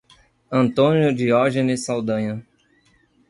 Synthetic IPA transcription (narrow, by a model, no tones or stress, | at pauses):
ɐ̃nt̪õnjʊd͡ʒ̪iɔʒenɪsawd̪ɐ̃ɲɐ